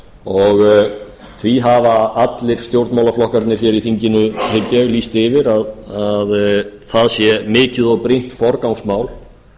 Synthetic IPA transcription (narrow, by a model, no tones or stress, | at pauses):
ɔɣ | θʰviɦavaat̪lɪɾ̥st̪jowɾt̪mawlaflɔhkaɾt̪nɪɾçɛɾiθiɲcɪnʏhɪcːɛɣliːst̪ɪvɪɾaðaðθaðsjɛmɪːcɪðɔɣpɾejn̥t̪fɔɾkawsmaːwl